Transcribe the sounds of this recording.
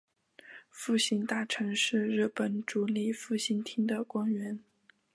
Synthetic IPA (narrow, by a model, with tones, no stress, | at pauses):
fu˥˩ɕi˧˥ŋt̪a˥˩ʈ͡ʂʰɤ˧˥ŋʂɻ̩˥˧ɻ̩˥˩pə˨˩nʈ͡ʂu˧˥li˨˩fu˥˩ɕi˥nt̪ʰi˥ŋd̪ə˨kwa˥ŋɥɛ˧˥n